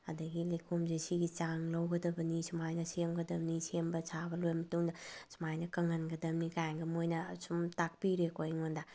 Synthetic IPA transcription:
ɐ̰dɐɡilekʰomzesiɡit͡ʃaŋlɐwɡɐdɐbɐnisumajnɐsemɡɐdɐbnisembɐsʰabɐlojmɐtuŋdɐsu̥majnɐkɐŋɐnɡɐdɐmnikajŋɡɐmojnɐsumtak̚piɾekojŋonda

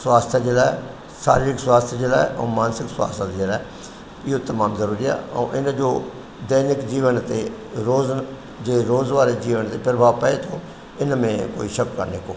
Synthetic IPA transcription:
swaːst̪ʰjaːd͡ʒeːɽaɛ | sa̰ːɾiɾɪkswaːst̪ʰjd͡ʒeːlaːɛõ̰ːmaːnsɪkswa̰ːst̪ʰat̪d͡ʒeːɽaː | ɪoːt̪əmaːmzəɾuːɾiɛ̰ːõ̰ːʔɪnãːd͡ʒoː | d̪əːnɪkd͡ʒiːʋənt̪eː | ɾoːz | d͡ʒeːɾoːzʋaːɾeːd͡ʒiːʋənt̪eːpɾəbʱaːʋpəeːt̪ʰoː | ɪnãmẽːko̰ːiʃəkkəɾneːkoː

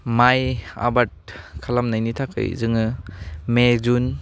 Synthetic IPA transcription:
maja̰bat̚kʰalamnajnitʰakʰɯ̰j̰zɯŋɯmezun

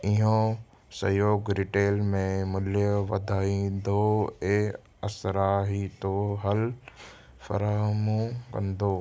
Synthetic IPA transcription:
ɪɦõ | sɐ̰joːɡɾɪʈeːlmẽmʊljəʋɐd̪ʱaːĩːd̪oeː | ɐsɾaːɦit̪oɦɐl | fɐ̰ɾaːɦmũːkɐ̰̃nd̪oː

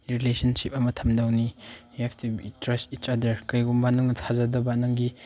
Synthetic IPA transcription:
ɾilesɐnsip̚ɐmɐtʰɐmdawni | eptʰibitɾɐstit͡ʃadɐɾkɐjɡumbanɐŋnɐtʰazɐdɐbanɐŋɡi

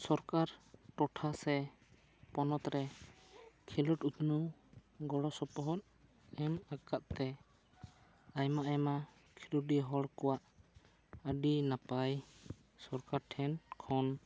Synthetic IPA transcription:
sɔɾkaɾʈɔʈʰasɛ | pɔnɔt̪ɾɛ | kʰilɔʈut̪nuɡɔɽɔsɔpɔɦɔt̪̚ | ɛmakat̪̚t̪ɛ | ajmaajma | kʰilɔiɦɔɽkɔwaʔ | aɖinapaj | sɔɾkaɾʈʰɛnkʰɔn

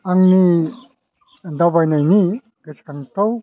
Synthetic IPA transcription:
aŋni | d̪awbajnajni | ɡət͡ʃi̥kaŋt̪ow

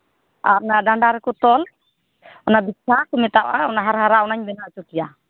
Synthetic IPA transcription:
aɾnaɖaɳɖaɾɛkɔt̪ɔl | ɔnabitt͡ʃʰakɔmɛt̪awaɔnaɦaɾɦaɾaɔnaɲbɛnat͡ʃukija

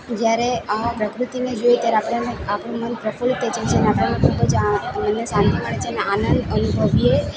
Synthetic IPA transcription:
d͡ʒjaɾepɾəkɾut̪ined͡ʒojet̪jaɾeapɽeneapɳũmənpɾəfuɭt̪et͡ʃət͡ʃʰeneapɽanekʰubəd͡ʒmənːesanaməɽet͡ʃʰeneanənd̪ənubʱəʋije

